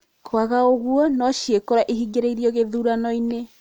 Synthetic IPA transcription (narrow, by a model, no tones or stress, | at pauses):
kʰwaɣaoɣuɔnɔʃiekoɾaʔiɦiɡeɾeiɾiɔɣeðuːɾanɔine